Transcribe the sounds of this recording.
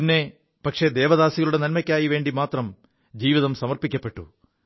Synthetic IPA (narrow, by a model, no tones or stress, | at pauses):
inːe̞ | pɐkʂe̞d̪e̞ːʋɐðaːsiɣɐɭuɽe̞nɐnmɐkʲːaːjiʋe̞ːɳɖimaːt̪rɐm | d͡ʑiːʋiðɐmsɐmɐrpikʲːɐpːe̞ʈːṵ